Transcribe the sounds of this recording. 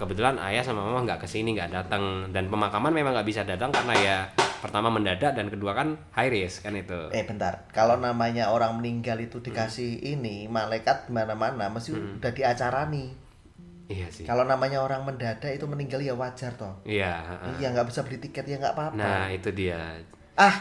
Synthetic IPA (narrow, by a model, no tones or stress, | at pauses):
kəbət̪ulana̰jasamamemaŋɡaʔkəsiniŋɡaʔdat̪əŋdanpəmakamanmemaŋɡaʔbisadat̪aŋkarnajapərt̪amaməndadaʔdankəduakanhajɾɪskanit̪uʔɛb̥ənt̪a̰rkalonamaɲaoɾaŋməniŋɡalit̪udikasɪhinimalajkat̪̚ɡimanamanaməst̪iud̥adiat͡ʃaɾani | iasɪkalonamaɲaoɾaŋməndadaʔit̪uməniŋɡaljawad͡ʒart̪ɔhijaəʔəjaŋɡaʔb̥isabədit̪ikɛt̪jaŋɡa̰ʔpapnait̪udia | ah